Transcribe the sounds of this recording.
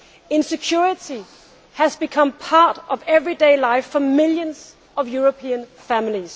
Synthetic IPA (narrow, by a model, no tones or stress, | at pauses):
ɪ̃nsɨkʰj̥uɹɪti | hæzbɨkʰʌ̃mpʰɑɹɾʌvɛvɹideɪlaɪfəmɪljə̃nz̥ | ʌvjuɹopʰĩə̃nfæ̃mliz̥